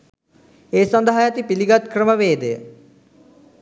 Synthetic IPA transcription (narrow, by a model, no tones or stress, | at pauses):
eːsand̪əɦajat̪ipiliɡat̪krəməʋeːd̪ejə̰